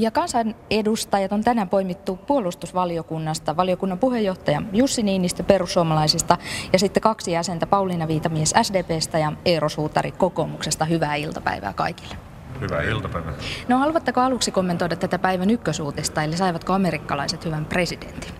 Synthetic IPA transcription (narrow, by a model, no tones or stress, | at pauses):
jɑkɑnsɑnedust̪ɑjɑt̪ont̪ænæpoimit̪ːupuolˑust̪usʋɑliokunːɑst̪ɑʋɑliokunːɑmpuhejːoht̪ɑjɑjusːiniːnːist̪æperusːuomɑlɑisist̪ɑjɑsit̪ːekɑksijæsent̪æpɑulinɑʋiːt̪ɑmiesæsdeːpeːst̪æjɑerosuːt̪ːɑ̰rḭkokoːmuksest̪ɑhyʋæːilt̪ɑ̥pæ̰iʋæ̰ːkɑ̰iki̥lːe̥ | hyʋæ̰ḭlt̪ɑpæiʋæ̰nohɑluʋɑt̪ːekoɑluksikomːent̪oidɑt̪æt̪æpæiʋænykːøsuːt̪est̪ɑelisɑiʋɑt̪koɑmeɾikːɑlɑ̰iset̪hyʋæmpre̞sidḛnt̪i̥n